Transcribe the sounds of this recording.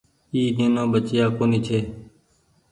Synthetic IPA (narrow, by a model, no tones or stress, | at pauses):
iːd͡ʒẽːnãːɓət͡ʃjaːkoːniːt͡ʃʰeː